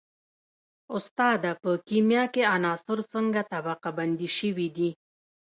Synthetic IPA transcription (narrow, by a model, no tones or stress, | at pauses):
ʊst̪ɑd̪apəkimjɑkeanɑsʊɾsəŋɡat̪abɑqaband̪iʃəwid̪i